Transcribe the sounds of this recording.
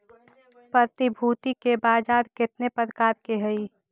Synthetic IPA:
pɾət̪ibʱuːt̪ikebaːd͡ʒaːɾkɪt̪nepəɾkaːɾkeɦəi

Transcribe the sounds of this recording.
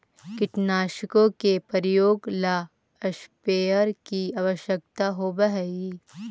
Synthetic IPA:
kɪʈnaːʃɪkõkepəɾjoːɡla | əʃpeːəɾkiaʋəʃjəkt̪aɦoːbəɦɛi

